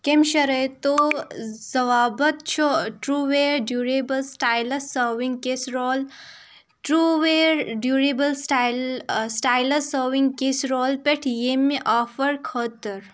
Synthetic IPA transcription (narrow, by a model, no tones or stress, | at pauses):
kemʃɐɾɐt̪o | zɐʋaːbɐt̪̚t͡ʃʰoʈɾuːʋeːɾɖjuːɾeːbəlsʈaːjlɐsəːɾʋĩŋɡ̚kesɾoːl | ʈɾuʋeɾɖjuːɾeːbəlsʈalsʈaːjlɐsəːɾʋiŋɡ̚kesɾoːlpeʈʰjemːeʔaːfɐɾkʰɐːt̪ɐɾ